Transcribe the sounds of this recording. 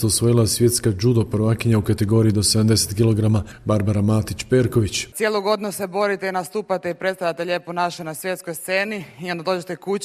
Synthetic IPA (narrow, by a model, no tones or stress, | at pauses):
t̪osʋojilˠasje̞t̪skad͡ʒud̪opɾʋakiɲaukat̪e̞ɡo̞ːɾiid̪o̞se̞d̪amd̪e̞set̪kilo̞ɡɾamabaɾbaɾamaːt̪it͡ɕpe̞ɾko̞ʋit͡ɕt̪sjelˠoɡo̞d̪nusebo̞ɾit̪einast̪uːpat̪eipɾet̪st̪ajat̪e̞ʎe̞ːponaʃonasʋje̞t̪skojst̪seːniio̞nd̪ad̪o̞ːd͡ʑet̪ekut͡ɕ